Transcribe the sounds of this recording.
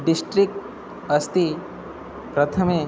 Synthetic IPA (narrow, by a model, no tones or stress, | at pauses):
ɖɪsʈɾɪk̚ʈ | ɐst̪i | pɾɐt̪ʰəmẽ